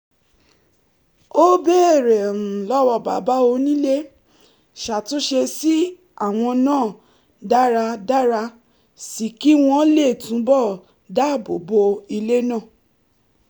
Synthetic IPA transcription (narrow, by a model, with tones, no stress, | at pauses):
o˦be˦e˦˨ɾɛ˨ɾ̩̃˨lɔ˦wɔ˧˨ba̰˨ba˨˦o˧nĩ˦le˦ | ʃa˨to˨˦ʃe˧si˦ | a˦˨w̃ɔ̃˧nãː˦˨ | da˦ɾa˧da˦ɾa˧ | si˨ki˦w̃ɔ̃˧le˦˨tũ˨˦bɔ˦˨ | da˦˨bo˨bo˧i˧le˦nã˦˨